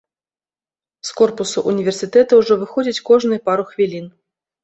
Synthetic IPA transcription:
skɔrpusuʔunʲivʲɛrsɨt̪ɛt̪ɐwʐɔvɨxɔd͡zʲit͡sʲkɔʐnɨjpaɾuxvʲilʲin

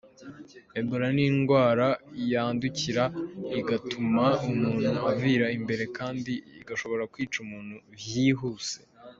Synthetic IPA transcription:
eboɾaniːŋɡwaːɾajaːnduciɾaiɡatumaumuːn̥huaviːɾaimbe̞ɾe̞kaːndiḭɡaʃo̞βo̞ɾakwiːt͡ʃumuːn̥huβjiːɦuːse̞

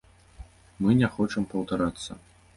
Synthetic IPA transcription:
mɨnʲɛxɔt͡ʂɐmpɐwt̪aɾat̪sːɐ̰

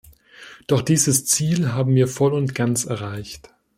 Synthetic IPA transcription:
d̥ɔχd̥iːzəst͡siːlɦaːbm̩viːɐfɔlʊntɡ̥ant͡sɛɐʁ̞aɪçt

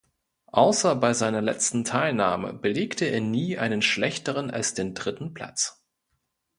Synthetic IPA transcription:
ʔaʊsɐbaɪzaɪnɐlɛ̰t͡stn̩tʰaɪlnaːmə̰bəleːktʰəeːɐniːʔa̰ɪnənʃlɛçtəʁ̞əna̰lsd̥eːndʁɪtn̩pʰl̥a̰t͡s

